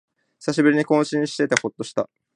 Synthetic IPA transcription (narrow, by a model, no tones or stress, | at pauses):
çi̥saɕibɯ̟ɾiɲ̟ikõ̞ːɕĩɰ̃ɕi̥t̪e̞t̪e̞ho̞t̪ːo̞ɕi̥t̪a̰